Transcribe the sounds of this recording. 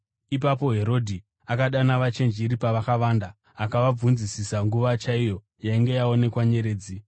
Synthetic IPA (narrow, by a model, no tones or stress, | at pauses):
ip̬apo̞ɦe̞ɾo̞dʱi | akaɗanaʋat͡ʃe̞nd͡ʒiːɾipaʋakaʋandaː | kaʋab͡vunzisisaŋɡuʋat͡ʃaijo̞ | jaiŋɡe̞jao̞ne̞kwaɲe̞ɾe̞ːd͡zi